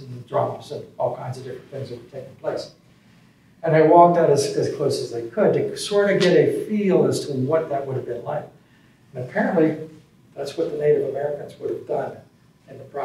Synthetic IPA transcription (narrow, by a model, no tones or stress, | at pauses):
n̩dɹɑpsə̃nɔlˠkʰãɪ̃nzʌvdɪfɹɨ̃n̩θɪ̃ŋzɨt̚wə̥tʰeɪk̩pʰl̥eɪs | ɨ̃naɪwɔk̚taʊɾɨzɨz̥kʰl̥oʊsɨzðeɪkʰəd̚tɨsɔɹɾɨɡɛɾɨfilˠəz̥tʰəwʌt̪̚ðɨt̚wʊɾɨvbɨ̃nlaɪk̚ | ɨ̃nɨpʰɛɹɨ̃nʔli | ðætswʌt̪̚ðɨneɪɾɨvəmɛɹɨkɨ̃nzwʊɾɨvdʌ̃n | ɨ̃nðəbɹa